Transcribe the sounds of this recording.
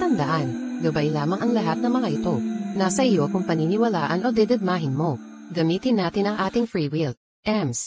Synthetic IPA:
t̪ɐnd̪ɐʔanɡɐbajlaːmɐŋʔɐŋlɐɦat̪̚nɐŋmɐŋaʔɪt̪o̞nasɐʔɪjo̞kʊŋpɐninɪwɐlaːʔɐnʔo̞d̪ɛd̪ɐd̪̚maːɦɪnmo̞ | ɡɐmiːt̪ɪnːaːt̪ɪnɐŋʔaːt̪ɪŋfɹiːwil | ʔɛms

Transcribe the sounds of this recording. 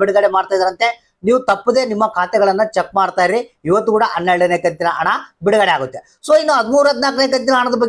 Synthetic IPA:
iɽɡɐɽemaːɽt̪aːjd̪ɐɾɐnt̪e̞ | niːʋut̪ɐpːud̪e̞ːnimːɐkʰaːt̪ɛɡɐɭɐnːɐt͡ʃek̚ːmaːɽt̪aːjɾiiʋɐt̪ːukuːɽɐʔɐnːeɭɖɐneːkɐnt̪inɐʔɐ̰ɳɐbiɽɐɡɐɽeaːɡut̪ːe | soːinːuɦɐd̪muːɾuɦɐd̪naːkɐneːk̬ɐnt̪̬inɐːɳɐd̪ɐbɐɡ

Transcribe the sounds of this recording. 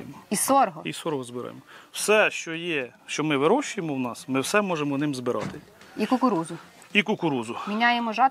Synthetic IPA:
mɔisɔɾɦɔisɔɾɔɦɔzbɪɾɑ̰jḛmɔwsɛʃt͡ʃɔjɛʃt͡ʃɔmɪʋɪɾɔʃʊjemɔwnɑsmɪwsɛmɔʒemɔnɪmzbɪɾʔɑ̰t̪ɪ | ikʊkʊɾuzʊ | ikʊkʊɾuzʊmʲinʲajemɔʒɑ

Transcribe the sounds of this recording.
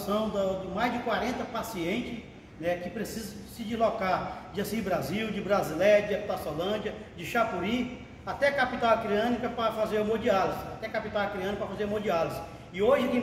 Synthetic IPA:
sɐ̃w̃d̪ɐd̪ʊmajzd͡ʒɪkwaɾẽnt̪ɐpasiẽnt͡ʃɪs | nɛkɪpɾesizɐ̃sɪd͡ʒizlɔkad͡ʒɪɐsĩbɾaziwd͡ʒɪbɾazilɛd͡ʒɪd̪ɛpu̥t̪asolɐ̃d͡ʒiɐd͡ʒɪʃapuɾĩ | at̪ɛkapit̪awakɾiɐ̃nikɐpɾɐfazeɾumod͡ʒializat̪ɛkapit̪awɐkɾiɐ̃nɪkpɾɐfazeɾumod͡ʒializ | ɪoʒɪkẽ

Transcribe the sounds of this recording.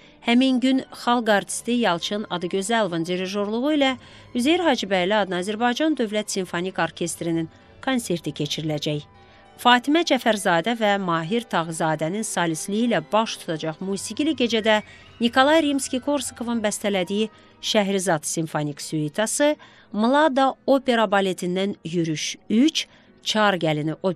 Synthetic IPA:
hæminɟynχɑlˠɡɑɾt̪ʰi̥st̪ijɑlˠt͡ʃʰɯnɑd̪ɯɡøzælˠvɯnd̪iɾiʒo̞ɾlˠuɣʁuilæ | yzejiɾɦɑːd͡ʒibæjliɑd̪nɑzæɾbɑjd͡ʒɑnd̪ø̞vlæt̪siɱfo̞nikʰo̞ɾcʰe̞st̪ɾinin | kʰo̞nse̞ɾt̪ʰicʰe̞t͡ʃʰiɾilæd͡ʒæj | fɑːt̪ʰimæd͡ʒæfæɾzɑːd̪ævæmɑːɦiɾt̪ʰɑʁzɑːd̪æninsɑlislijilæbɑʃt̪ʰu̥t̪ʰɑd͡ʒɑχmuːsiɡʲiliɟe̞d͡ʒæd̪æ | nikolˠɑjɾimskʲikʰo̞ɾskʰo̞vɯnbæst̪ʰælæd̪iji | ʃæɦɾizɑt̪sinfoniksyit̪ʰɑsɯ | mulˠɑd̪ɑopʰe̞ɾɑbɑle̞t̪ʰind̪ænjyɾyʃyt͡ʃ | t͡ʃʰɑɾɡæliniʔo

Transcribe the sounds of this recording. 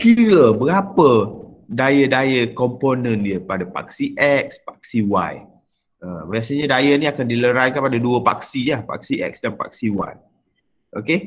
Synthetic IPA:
kiɾəbəɡapədajədajəkɔmponə̃ndiəpadapa̰ksiʔɛk̚spḁk̚siwa̰j | ə̃biasaɲadajənĩakandiləɾankəpadaduəpa̰ksilahpa̰k̚siʔɛ̰k̚sdanpa̰k̚siwa̰j | ʔoke

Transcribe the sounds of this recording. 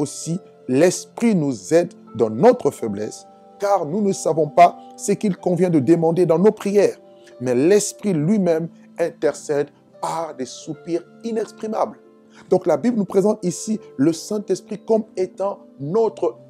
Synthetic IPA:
osi | lɛspχinuzɛd̪ːɑ̃nɔt̪χəfɛblɛ̰s | kaʁnunəsavɔ̃pasəkilkɔ̃vjɛ̃d̪əd̪əmɑ̃d̪ed̪ɑ̃nopχijɛːʁ | mɛlɛspχilɥimɛm | ɛ̃t̪ɛʁsɛd̪ | paʁd̪ɛsupiʁ | inɛkspχima̰bl | d̪ɔ̃klabiblnupχezɑ̃t̪isiləsɛ̃t̪ɛspχikɔmet̪ɑ̃ | nɔt̪χə

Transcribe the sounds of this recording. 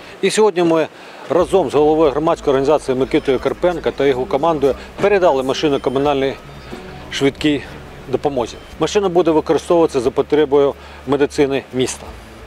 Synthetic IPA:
isʲɔɦɔdʲnʲimɪ | rɐzɔmzɦɔlˠɔʋɔjɦɾɔmɑt͡sʲsʲkɔjɔrɦɐnʲizɑt͡s̪ʲijimɪkɪt̪ɔjʊkɐrpɛnkɐt̪ɐjɔɦɔkɔmɑnd̪ɔjɪ | peɾed̪ɑlˠɪmɐʃɪnʊjkɔmʊnɑlʲnɔj | ʃʋʲɪt̪kʲij | d̪ɔpɔmɔʒʲi | mɐʃɪnɐbud̪ɛʋɪkɔɾɪst̪ɔwʊʋɐt͡sʲːɐzɐpɔt̪ɾʲɛbɔjʊ | med̪ɪt̪sɪnɪmʲist̪ɐ̥

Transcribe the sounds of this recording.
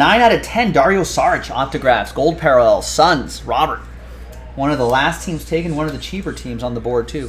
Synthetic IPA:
nãɪ̃naɾɨtʰɛ̃ndɑɹioʊsɑɹɨt͡ʃɑ̰k̚tɨɡɹæfsɡ̥oʊlˠd̚pʰɛɹəlɛlˠsʌ̃nz̥ɹɑbə˞t̚ | wʌ̃nʌvðəlæstʰĩmz̥tʰeɪkɨ̃nwʌ̃nʌvðɨt͡ʃʰipə˞tʰĩmzn̩ðəbɔɹd̚tʰʉ

